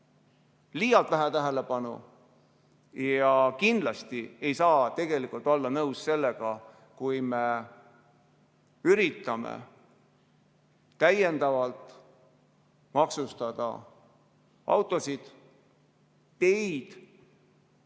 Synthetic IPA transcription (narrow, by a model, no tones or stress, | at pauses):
liːjɑlt̪læɦæt̪æɦæle̞pɑnṵ | jɑkind̪̥lɑst̪ie̞jsɑːt̪e̞ɡ̥e̞likˑult̪ːˑo̞lːɑnɤwsse̞lːeɡ̥ɑ | kujme | yɾit̪ːˑɑmḛ | t̪æjend̪̥ɑvɑlt̪ˑ | mɑksust̪ɑd̪̥ɑ̰ | ʔɑ̰wt̪ːˑo̞sid̪̥ | e̞jd̪̥